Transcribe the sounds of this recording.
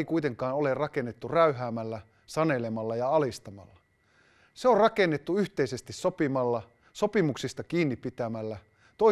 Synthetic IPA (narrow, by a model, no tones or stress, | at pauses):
ikuit̪eŋkɑːnolerrɑkenːet̪ːuræyɦæːmælːæ | sɑnelemɑlːɑjɑɑlist̪ɑmɑ̰lːɑ | seorɑkenːet̪ːuyht̪eisest̪issopimɑlːɑ | sopimuksist̪ɑkiːnːippːit̪æmælːæ | t̪o